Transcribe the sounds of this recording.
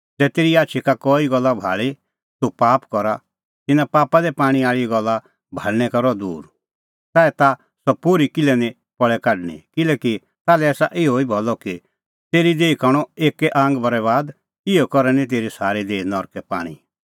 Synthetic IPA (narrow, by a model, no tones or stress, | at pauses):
d͡zɛːt̪eːɾiaːtːt͡ʃʰikakɔːiɡɔlːabʱa̰ːɭi | topaːpkɔɾa | t̪ɪnãpaːpad̪ɛpaːɽ̃ĩaːɭiɛɡɔlːa | bʱaːɭñɛkɐɾɔd̪ṵːɾ | t̪aːɛt̪a | sɔpoɾikɪlɛnĩ | pɔɭɛkaɖnḭkɪlɛːki | t̪aːlɛɛːsa̰ʔɪoibʱɔlɔki | t̪eːɾid̪eːikaɽ̃ɔeːkɛʔãːŋɡbɐɾɛβaːd̪ | ɪɔkɔɾɛnĩt̪̬eːɾisaːɾed̪eːinɔɾkɛpa̰ːɽ̃ḭ